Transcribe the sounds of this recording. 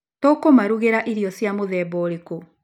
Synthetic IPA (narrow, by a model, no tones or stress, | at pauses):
tokomaɾuɣeɾaʔiɾiɔsjamoðɛboɾiku